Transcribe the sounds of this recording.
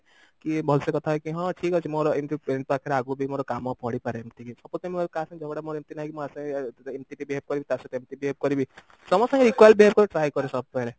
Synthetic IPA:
kibʱɔlsekɔt̪ʰaɦekiɦãʈʰiːkɦɔt͡ʃʰimoɾoemt̪ipeɾeɳʈ̚aːkʰeɾaːɡubʱimoɾokaːmopɔɽipaɾeemt̪ikisɔpot̪emioɾkasẽd͡ʒʱɔɡɽamoɾemt̪inaːɦikimasẽenʈiʈibʱiɦeb̚kɔɾibit̪aset̪emt̪ibiɦeb̚kɔɾibʱi | sɔmɔsə̃ŋɡeɾikwajlbieb̚kɔɾeʈɾaːjkɔɾesɔb̚pɛɦle

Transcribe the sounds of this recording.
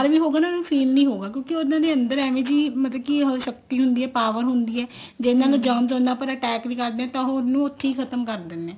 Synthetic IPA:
əɾʋiːɦoːɡaːnanũːfʰiːlnĩːɦoːɡaːkjõːkɪʊnãːd̪eːənd̪əɾɛːʋẽːd͡ʒiːmət̪ləbkiɦoʃək̚t̪iːɦʊnd̪iːɛːpaːʋəɾɦʊnd̪iːɛː | d͡ʒeːnaːloːd͡ʒəːmd͡ʒõːnd̪aːpəɾəʈɛːkʋiːkəɾd̪ẽːɛ̃ːt̪ãːɦonːũːʊt̪ʰːeiːkʰət̪əmkəɾd̪ɪnːẽː

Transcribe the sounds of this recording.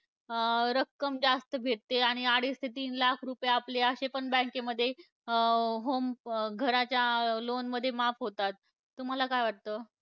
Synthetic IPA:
ɾəkːəmd͡ʑast̪əbʱeʈ̚t̪ːeaɽ̃iaɽist̪ʰet̪̬iːnlakʰɾupjaapleəɕepəɳbə̃keməd̪ʱːje | ɦomɡʱəɾat͡ɕjalonməd̪ʱːjemafɦot̪at̪ː | um̤alakajʋaɽt̪əː

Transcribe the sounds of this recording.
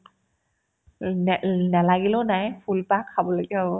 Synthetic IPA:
nnalaɡilɔnajpʰulpakʰːabɔlɔɡiɦabɔ

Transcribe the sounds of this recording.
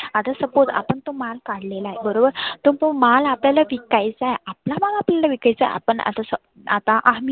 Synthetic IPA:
at̪asəpot͡sa̰pəɳt̪omalkaɽ̤lelaɦebəɾobəɾt̪oŋpəmalapljalaʋikajt͡saɦeaplamaɡapljalaʋikajt͡sa̰ɦj̰a̰pəɳa̰t̪asə | at̪aʔaɦmi

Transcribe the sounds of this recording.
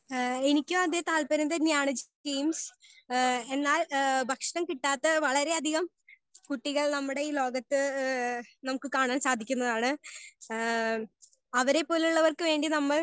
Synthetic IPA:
enikʲːumɐd̪eːt̪aːlpɐɾind̪ɐnjaːɳɨd͡ʑʈiːms | e̞nːaːlbʱɐkʂɐɳɐmkiʈːaːt̪ːɐʋɐɭɐɾe̞ɐd̪ʱiɣɐm | kuʈːiɣɐɭnɐmːuɽe̞iːlo̞ːɡɐt̪ːɨ | nɐmukːɨkaːɳaːnsaːd̪ʱikʲːunːɐðaːɳɨ | ɐʋɐɾe̞pːo̞ːluɭːɐʋɐrkɨʋe̞ːɳɖinɐmːɐɭ

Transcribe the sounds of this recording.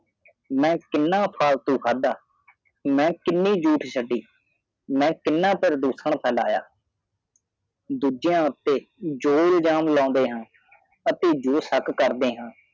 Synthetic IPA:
mɛ̃ːkɪnːãːpʰaːlt̪ũːkʰaːd̪aː | mɛ̃ːkɪnːiːd͡ʒuːʈʰsʰəɖiː | mɛ̃ːkɪnːãːpəɾd̪uːsəɳpʰɛːla̰ːja̰ː | d̪uːd͡ʒɪjãːʊt̪ːeːd͡ʒoːɪld͡ʒaːmlãːnd̪eːɦãː | ət̪eːd͡ʒoːsəkkəɾd̪eːɦãː

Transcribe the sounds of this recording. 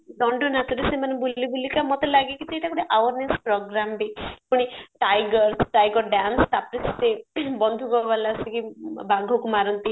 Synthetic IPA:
d̪ɔɳɖɔnat̪uɾesemanebulibulikamɔt̪elaɡekit͡ʃeʈakuɽiʔawɔɾnespɾɔɡɾambipuɽ̃iʈajɡɔɾsʈajɡɔɾɖanst̪apɾissebɔnd̪ʱuɡɔbalasikibaɡʱɔkumaɾɔnt̪i

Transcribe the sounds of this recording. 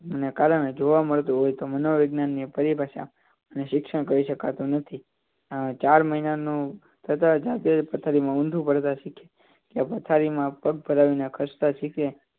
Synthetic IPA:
mənekaɾəɽ̃ed͡ʒoʋaməɭt̪ũɦojt̪omənoʋeɡnanːipəɾibaʃa̰ | məneʃɪkʃəɽ̃kəɾiʃəkat̪ũnət̪ʰi | at͡ʃaɾməɦinanũ | t̪ʰət̪ad͡ʒat̪epət̪ʰaɾimãũnd̪ʱũpəɾt̪aʃikʰe | kjapət̪ʰaɾimãpəɡ̚bʱəɾaʋinakʰəst̪aʃikʰe

